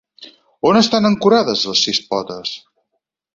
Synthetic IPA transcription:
onəst̪anəŋkuɾaðəzləsːispɔt̪əs

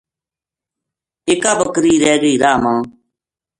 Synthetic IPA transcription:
eːkaːbəkɾiːɾɛːɡiːɾaːmãː

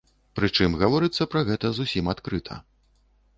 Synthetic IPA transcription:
pɾɨt͡ʂɨmɣavɔɾɨt̪sːɐpɾɐɣɛt̪ɐzusʲimat̪kɾɨt̪ʰɐ̰

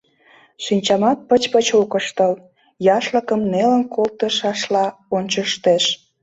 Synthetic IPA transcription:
ʃinʲt͡ɕɑmɑt̪̚pət͡ɕpət͡ɕokəʃt̪əl | jɑʃləkəmnelənkolt̪əʃɑʃlɑonʲt͡ɕəʃt̪eʃ

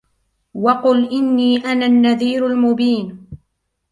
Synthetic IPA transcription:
wɑqʊlʔɪnːiːʔanaːnːaðiːɾalmʊbiːn

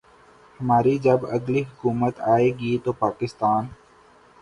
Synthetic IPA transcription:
hɐmaːɾid͡ʒɐbɐɡliɦʊkuːmət̪aːeːɡiːt̪oːpaːkɪst̪aːn

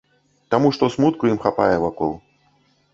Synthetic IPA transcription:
t̪amuʂt̪ɔsmut̪kujimxapa̰jɛvakɔ̰lˠ

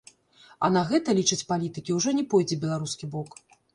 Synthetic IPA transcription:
ɐ̰naɣɛt̪ɐlʲit͡ʂɨt͡sʲpalʲit̪ɨkʲiwʐɔnʲɛpɔjd͡zʲɛbʲɛlˠaɾuskʲibɔk

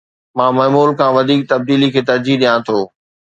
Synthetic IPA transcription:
mãːmɐːmuːlkʰãːʋɐd̪ʱiːk̚t̪ɐb̚d̪iːlikʰeːt̪ɐɾd͡ʑiɗijãt̪ʰoː

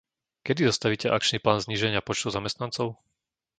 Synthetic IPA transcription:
kɛd̪izɔst̪aʋiːcɛʔak̚t͡ʃniːplaːnzɲiːʒɛɲɪapɔt͡ʃt̪ɔʊzamɛst̪nant͡sɔʊ

